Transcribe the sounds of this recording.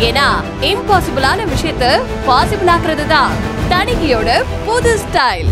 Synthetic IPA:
eːnaː | ɪmpaːsɪbɪlaːnɐʋɪʂɐjɐt̪ːɨ | paːsɪbɪlaːɣɪɾɐðɯt̪ãː | t̪ɐɳɪɣɪjoːɽɐ | poðɯsʈaɪl

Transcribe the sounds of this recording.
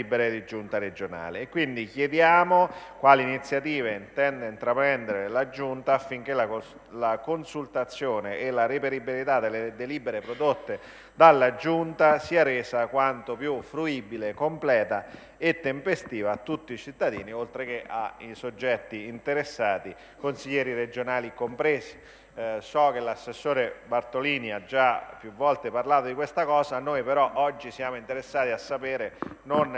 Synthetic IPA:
ibeɾed̪id͡ʒunt̪aɾed͡ʒona̰ːlekːwind̪ikjed̪jaːmokwaːliinit̪sːjat̪iːveint̪ɛnd̪eint̪ɾapɾɛnd̪eɾelad͡ʒunt̪aːfːiŋk̟ela | lakonsult̪at̪sːjoːneʔːlaɾipeɾibilit̪ad̪ːelːed̪eliːbeɾepɾod̪ot̪ːe | d̪alːad͡ʒunt̪asiːaɾeːsakwant̪opjufɾuiːbilekːomplɛːt̪a | et̪ːempest̪iːvaːt̪ːut̪ːiːt͡ʃit̪ːad̪ḭːniolt̪ɾek̟eʔa̰isod͡ʒːɛt̪ːiːnt̪eɾesːaːt̪i | konsiʎːɛːɾired͡ʒonaːlikompɾeːsi̥ | sɔk̟elasːesːoːɾebart̪oliːniad͡ʒːapːjuvːɔlt̪eparlaːt̪od̪ikwest̪akɔːzanojpeɾɔʔɔd͡ʒːisjaːmoint̪eɾesːaːt̪iasːapeːɾenon

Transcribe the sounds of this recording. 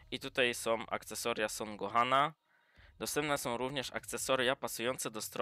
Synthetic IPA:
it̪ut̪ajsɔ̃w̃ʔa̰kt̪sɛsɔɾjasɔnɡɔɦana | d̪ɔst̪ɛmp̚nɛsɔ̃w̃ɾuvɲɛʂa̰k̚t̪sɛsɔɾjapasujɔnt̪sɛd̪ɔst̪ɾɔ

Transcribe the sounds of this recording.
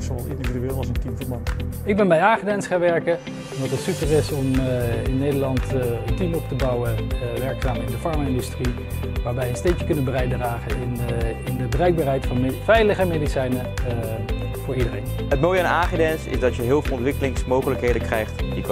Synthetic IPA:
sowɑlˠsɪ̰ndividyeːlˠɑsəntimvəmɑt | ɪɡ̚bɛnbɛjaːχədɛnsχaːnʋɛɹkə | ɔndɑtətsypərɪsɔmɪnːejdəlɑntəntimɔptəbɑwəʋɛɹksaːmɪndəfɑɹmaɪndystri | ʋaːɹʋɛjənstejkjəkɵnənbərɛjt̚draːχənɪnɪndəbərɛjɡ̚baːɹɦɛjtfɑnfɛjləχəmejdisɛjnə | vʊːɹidərɪŋ | ɦətmoːjəanaːχidɛnsɪ̰zdɑtjəɦɪːlˠvɪlˠɔntʋɪkəlɪŋsmowχələkɦejdəkrɛjχtdik

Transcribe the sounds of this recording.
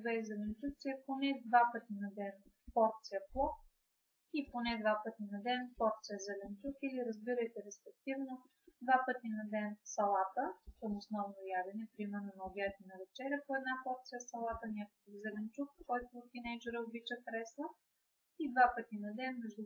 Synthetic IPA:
vɛizɛlɛnt͡ʃukt̪sijəponɛd̪vapɤt̪inɐd̪ɛn | pɔɾt̪sijəplˠɔk | iponɛd̪vapɤt̪inɐd̪ɛnpɔɾt̪sijəzɛlɛnt͡ʃukiliɾəzbiɾəjt̪ɛɾɛspɛk̚t̪ivno | d̪vapɤt̪inɐd̪ɛnsɐlˠat̪əkəmosnɔvnojad̪ɛnɛpɾimɛɾnonɐɡʲɛɾt̪ʲinɐvɛt͡ʃɛɾʲjəpoɛd̪napɔɾt̪sijəsɐlˠat̪ənʲakokəvzɛlɛnt͡ʃukkːɔjt̪oːt̪ːinɛjd͡ʒɛɾəobit͡ʃəxɾɛslˠə | id̪vapɤt̪inɐd̪ɛnmɛʒd̪u

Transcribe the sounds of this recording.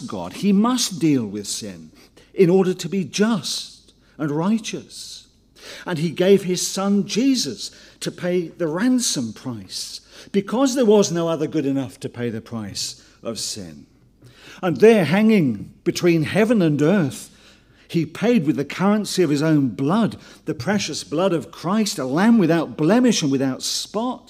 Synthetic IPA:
ɡ̥ɑ̰d̚imʌsd̥ilˠwɪð̥sɪ̰̃n | ɨ̃nɔɹɾə˞ɾɨbid͡ʒʌstt | ə̃nɹaɪt͡ʃɨs | ə̃niɡeɪv̥ɪz̥sʌ̃nd͡ʒizʌstʰɨpʰeɪðɨɹæ̃nsə̃mpʰɹ̥aɪsb̥ɨkʰʌzðə˞wʌznoʊʌðə˞ɡʊɾɨnʌftʰɨpʰeɪðɨpʰɹ̥aɪs | ʔʌ̰v̥sɪ̰̃n | ə̃nðə˞ɦæ̃ŋɪ̃ŋb̥ɨtʰw̥ĩnhɛvɨ̃nɨ̃nɜ˞θ | hipʰeɪd̚wɨðɨkʰʌ˞ɨ̃nsiʌv̥ɨzõʊ̃nblʌd̪̚ðɨpʰɹ̥ɛʃɨsb̥lʌɾʌv̥kʰɹ̥aɪstəlæ̃mwɨðaʊt̚b̥lɛmɨʃɨ̃nwɨðaʊtspɑt̚

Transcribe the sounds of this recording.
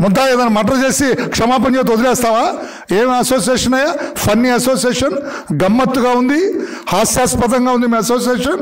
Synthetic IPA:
mɔd̪ːaːjed̪ɐnmɐʈ̬ɐɾt͡ʃe̞ːsikʂɐmaːp̬ɐnt͡ʃet̪̬od̪ilɛːst̪aːʋaː | eːmiɐsoːsijeːʂɐnɐjaːpʰɐnːĩɐsoːsijeːʂɐn | ɡɐmːɐt̪ːuɡaːund̪ihaːsjaːspɐd̪ɐŋɡaːund̪imiːɐsoːsijeːʂɐn

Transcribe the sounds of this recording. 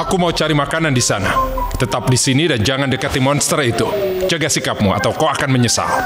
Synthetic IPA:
ʔakumaut͡ʃaɾimakanandisanat̪ət̪ap̚disinidand͡ʒaŋandəkat̪imɔnst̪ərit̪ut͡ʃəɡasikap̚mua̰t̪awkaakanməɲəsa̰l

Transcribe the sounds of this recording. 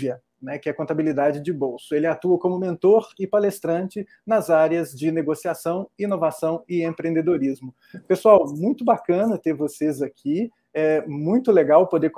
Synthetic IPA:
iɐ | nɛkɪɛkõnt̪abilid̪ad͡ʒɪd͡ʒɪbowsʊelɪat̪uɐkõmʊmẽnt̪oɾɪpalest̪ɾɐ̃nt͡ʃɪ | nɐzaɾjɐzd͡ʒɪneɡosiasɐ̃w̃inovasɐ̃w̃ɪẽpɾẽnd̪ed̪oɾizmʊ | pesuawmũj̃t̪ʊbakɐ̃nɐt̪eɾvosezakʰi | ɛmũj̃t̪ʊleɡawpod̪e

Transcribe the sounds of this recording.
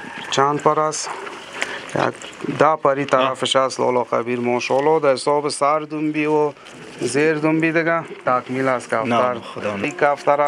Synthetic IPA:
t͡ʃand̪paɾas | ja̰kd̪apaɾit̪aɾafɪʃaslɔ̰lɔːqa̰biɾmɔːʃɔːlɔd̪ɐɪsɔːbesaɾd̪umbiwo | zeɾd̪umbid̪ɪɡat̪akmilaskaft̪aɾikaft̪aɾa

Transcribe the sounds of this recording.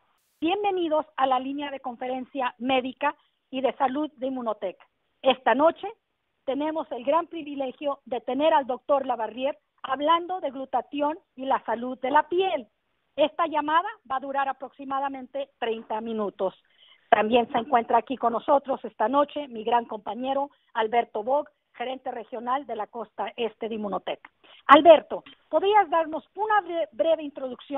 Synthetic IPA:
bje̞mbe̞niðo̞salalinjaðe̞ko̞ɱfe̞ɾe̞nsjame̞ðika | iðe̞saluðːeimːũnot̪e̞kḁ | e̞st̪ano̞t͡ʃe̞ | t̪e̞ne̞mo̞se̞lɡɾampɾiβile̞xjo̞ðe̞t̪e̞ne̞ɾald̪o̞k̚t̪o̞ɾlaβarje̞ɾ | aβland̪o̞ðe̞ɣlut̪asjo̞n | ilasaluðːe̞lapje̞l | e̞st̪aʝamaðaβaðuɾaɾapɾo̞ksimaðamẽ̞nt̪e̞t̪ɾe̞jnt̪amĩnut̪o̞s | t̪ambje̞nse̞ŋkwe̞nt̪ɾaːkiko̞nːo̞so̞t̪ɾo̞se̞st̪ano̞t͡ʃe̞miɣɾaŋko̞mpaɲe̞ɾo̞ | alβe̞ɾt̪o̞βo̞ɣ | xe̞ɾe̞nt̪e̞re̞xjo̞nald̪e̞lako̞st̪aʔe̞st̪e̞ðeimunot̪ḛk | alβe̞ɾt̪o̞po̞ðɾiazd̪aɾno̞sunaβebɾe̞βe̞int̪ɾo̞ðuksjon

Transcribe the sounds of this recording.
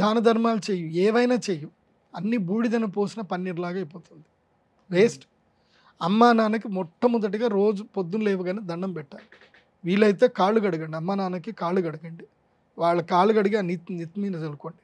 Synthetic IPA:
aːnɐd̪ʱɐɾmaːlut͡ʃeːjuɛːʋɐjnaːt͡ʃeːju | ɐnːibuːɽid̪ɐnɐpoːsinɐpɐnːiɾlaːɡɐjpoːt̪und̪i | ʋeːsʈ | ɐmːaːnaːnɐk̬imɔʈːɐmud̪ɐʈ̬iɡaːɾo̞ːd͡ʒupod̪ːunleːʋuɡɐneːd̪ɐɳɖɐmpɛʈːaːli | ʋiːɭɐjt̪eːkaːɭuɡɐɽɐɡɐɳɖiɐmːaːnaːnɐkikaːluɡɐɽɐɡɐɳɖi | ʋaːɭːɐkaːɭuɡɐɽiɡɐnit̪nit̪miːnɐd͡ʒɐlukoːɳɖi

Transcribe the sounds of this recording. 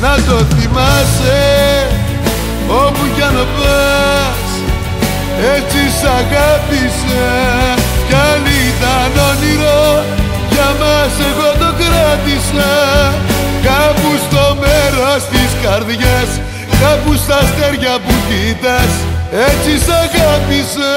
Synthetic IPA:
nɐt̪o̞θimɐse | omuʝɐnopɐ | s | et͡sisɐɣɐt̪is | ɐ | cɐnit̪ɐnoniɾo | ʝɐmɐseɣot̪okɾɐt̪isɐ | kɐpust̪omeɾost̪iskɐɾðʝɐs | kɐpust̪ɐlt̪eɾʝɐpucit̪ɐset͡sisɐɣat̪isɐ

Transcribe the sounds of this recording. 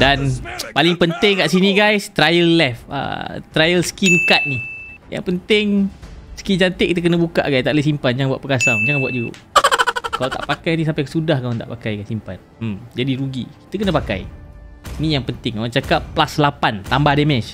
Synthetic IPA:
danpalɪŋpənt̪ɪŋkaʔsinĩɡajst̪ɾajəlːɛfə̰t̪ɾajəlsə̥kinkat̪̚nija̰ŋpənt̪ɪŋsə̥kind͡ʒant̪eʔkit̪əkənəbuka̰ʔɡajst̪aʔlesimpand͡ʒaŋanbwaʔ̪̚pəkasaŋd͡ʒaŋanbuat̪̚d͡ʒuɾṵʔ | kalat̪a̰ʔpakajnis̬ampajkasudahkamant̪a̰ʔpakajɡasimpa̰n̩ | md͡ʒadiɾuɡḭki̥t̪əkənə̃paka̰j | nijaŋpənt̪ɪŋkawat͡ʃakapːlaslapant̪ambahdɛmɛʃ

